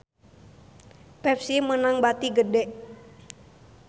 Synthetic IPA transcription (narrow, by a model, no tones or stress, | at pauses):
pɛfsimənaŋbat̪iɡədɛʔ